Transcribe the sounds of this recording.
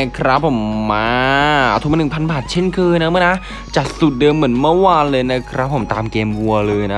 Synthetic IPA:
kʰɾa˦˥pʰːo˨˩˦mːaː˧t̪ʰu˨˩ma˧nɯ˨˩ŋ˩pʰa˧nbaː˨˩t̪̚t͡ɕʰe˥˩nkʰɤː˧jna˦˥mɨ˧˥˩na˦˥ | t͡ɕa˨˩t̪̚su˨˩t̪̚dɤː˧mːɯ˩˦ənmɯ˥˩ɐwaː˧nlɤː˧jna˦˥kʰɾa˦˥pʰːo˩˦mt̪aː˧mkeː˧mwu˧ɐlɤː˧jna˦˥

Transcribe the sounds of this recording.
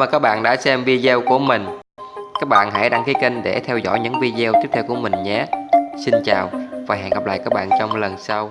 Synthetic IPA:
vaː˨˩kaː˦˥k̚ɓa̰ː˧˨nɗa̰ː˧˥sɛ˧mvi˧zɛ˧wku˧˩əmï˨˩ŋ̟ | kaː˦˥k̚ɓa̰ː˧˨nha̰˧˥jɗa˧ŋkʰi˨˦ki˧ŋɗe˧˩t̪ʰɛ˧wzɔ̰˧˥jɲɨ̰˧˥ŋvi˧zɛ˧wt̪i˦˥ət̪ʰɛ˧wku˧˩ə˧mï˨˩ŋ̟ɲa˨˧˥si˧nt͡ɕaː˨˩wvaː˨˩ɦɛ̰˧˨nŋɣa˨˩p̚la̰ː˧˨jkaː˦˥k̚ɓa̰ː˧˨nt͡ɕɔ˧wŋ͡mlə˨˩nsa˧w

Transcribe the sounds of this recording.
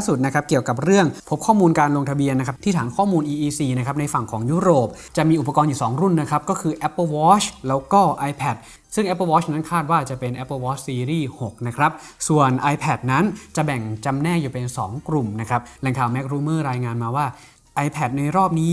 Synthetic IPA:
su˨˩t̪̚na˦˥kʰa˦˥p̚ki˨˩əwka˨˩p̚ɾɯ˥˩əŋpʰo˦˥p̚kʰɔː˥˩muː˧nkaː˧nlo˧ŋt̪ʰa˧bi˧ənː˦˥kʰa˦˥t̪ʰiː˥˩t̪aː˩˦nkʰɔː˥˩muː˧nʔiː˧ʔiː˧siː˧na˥kʰa˦˥p̚na˧jfa˨˩ŋkʰɔː˩˦ŋjuː˦˥ɾoː˨˩p̚ | t͡ɕa˨˩miː˧ʔu˨˩p̬ːa˧kɔː˧njuː˨˩sɔː˩˦ŋɾu˥˩nːa˦˥kʰɾa˦˥p̚kɔː˥˩kʰɯː˧ʔɛ˦˥pːəː˧wɔː˦˥t͡ɕʰlɛː˦˥wkɔː˥˩ʔa˧jpʰɛ˨˩t̪̚ | sɯ˥˩ŋʔɛ˦˥pːə˧wɔː˦˥t͡ɕʰna˦˥nkʰaː˥˩t̪̚waː˥˩t͡ɕa˨˩pe˧nʔɛ˦˥pːəː˧wɔː˦˥t͡ɕʰsiː˧ɾiː˥˩ho˨˩k̚na˦˥kʰɾa˦˥p̚ | su˨˩ənʔa˧jpʰɛ˨˩t̪̚na˦˥nt͡ɕa˨˩bɛ˨˩ŋt͡ɕa˧mnɛː˥˩juː˨˩pe˧nsɔː˩˦ŋkɾu˨˩mna˦˥kʰɾa˦˥p̚lɛ˨˩ŋkʰaː˨˩wmɛ˦˥k̚ɾuː˧mɤː˥˩ɾaː˧jŋaː˧nmaː˧waː˥˩ | ʔa˧jpʰɛ˨˩t̪̚na˧jɾɔː˥˩p̚niː˦˥

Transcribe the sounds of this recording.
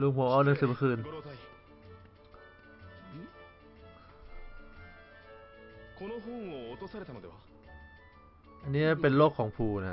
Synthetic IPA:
lu˧˩ŋmpʰuː˨˦ʔɔː˧˩nɯ˨˦ŋsɯː˨˩ma˧˥kʰɯː˧n˧ | kʰo˧no˧ɦu˥ŋoot̪osa˧ɾe˧t̪a˨n˨d̪e˨ | ʔa˧nːiː˦˥˩pe˧nloː˥˩kʰːɔː˩˦ŋpʰuː˧na˦˥

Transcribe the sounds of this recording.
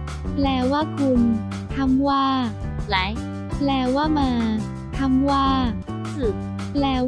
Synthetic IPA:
plɛː˧waː˥˩kʰu˧m | t̪ʰa˧˥˩mwaː˥˩ | la˨˦j | plɛː˧waː˥˩maː˧ | t̪ʰa˧˥˩mwaː˥˩ | ɯ˨˩ | plɛː˧

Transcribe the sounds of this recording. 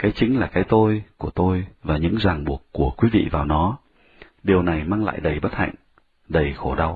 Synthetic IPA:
kaː˨˦jt͡ɕï˨˦ŋ̟laː˨˩kaː˨˦jt̪o˧jku˧˩ət̪o˧jvaː˨˩ɲɨ̰˧˥ŋzaː˨˩ŋɓu˨˩əkkːu˧˩əkwi˨˦vḭ˧˨vaː˨˩wnɔ˨˦ | ɗi˨˩əwna˨˩jmaː˧ŋla̰ː˧˨jɗə˨˩jɓə˦˥t̚ha̰˧˨jŋ̟ | ɗə˨˩jxo˧˩ɗa˧w

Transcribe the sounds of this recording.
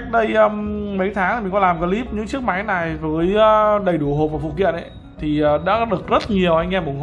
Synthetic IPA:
k̚ɗə˧jəː˧mə˨˦jt̪ʰaː˨˦ŋt̪ʰi̟˨˩˨kɔ˨˦laː˨˩mvəː˨˧˦li˦˥p̚ɲɨ̰˧˥ŋt͡ɕɨ˦˥ək̚ma˨˦jna˨˩jvəː˨˦jɗə˨˩jɗu˧˩ɦo˨˩p̚vaː˨˩fṵ˧˨˩kḭ˧˨ənʔ | t̪ʰi˨˩əː˨˩ɗa̰ː˧˥˦ɗɨ˨˩ək̚zə˦˥t̚ɲi˨˩əwʔa˧jŋ̟ɛː˧mɓu˨˩ŋh

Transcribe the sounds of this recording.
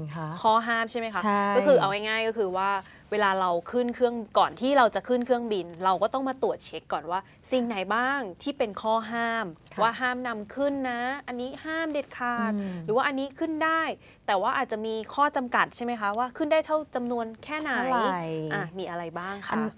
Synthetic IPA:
kʰɔː˥˩ɦaː˥˩mt͡ɕʰa˥˩jma˦jkʰa˦˥kɔː˥˩kʰɯː˧ʔa˧wa˧˥˩jŋaː˥˩jkɔː˥˩kʰɯː˧waː˥˩ | weː˧laː˧ɾa˧wkʰɯ˥˩nkʰɯ˥˩əŋkɔː˨˩nt̪ʰiː˥˩ɾa˧wt͡ɕa˨˩kʰɯ˥˩nkʰɯ˥˩əŋbi˧nɾa˧wkɔː˥˩t̪ɔ˥˩ŋmaː˧t̪u˨˩ət̪̚t͡ɕʰe˦˥kːɔː˨˩nwaː˥˩ | si˨˩ŋna˩˦jbaː˥˩ŋt̪ʰiː˥˩pe˧nkʰɔː˥˩ɦaː˥˩mwaː˥˩ɦaː˥˩mna˧mkʰɯ˥˩nːa˦˥ʔa˧nːiː˦˥haː˥˩mde˨˩t̪̚kʰaː˨˩t̪̚ɾɯː˩˦waː˥˧ʔa˧nːiː˦˥kʰɯ˥˩ndaː˥˩j | t̪ɛː˨˩waː˥˩ʔaː˨˩t̪̚t͡ɕa˨ʔmiː˧kʰɔː˥˩t͡ɕa˧mka˨˩t̪̚t͡ɕʰa˥˩jma˦jkʰa˦˥waː˥˩kʰɯ˥˩ndaː˥˩jt̪ʰa˥˩wt͡ɕa˧mnu˧ənkʰɛː˥˩na˧˩i˦˥ʔaː˨˩miː˧ʔa˧ɾa˧jbaː˥˩ŋkʰa˧˥

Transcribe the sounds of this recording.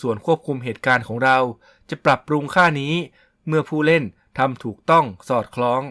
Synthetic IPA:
su˨˩ənkʰu˥˩əp̚kʰu˧mɦeː˨˩t̪̚kaː˧nkʰɔː˩˦ŋɾa˧w | t͡ɕa˨˩pɾa˨˩pːɾu˧ŋkʰaː˥˩niː˦˥ | mɯ˥˩ɐpʰuː˥˩le˥˩n | t̪ʰa˧mt̪ʰuː˨˩k̚t̪ɔ˥˩ŋsɔː˨˩t̪̚kʰlɔː˦˥ŋ

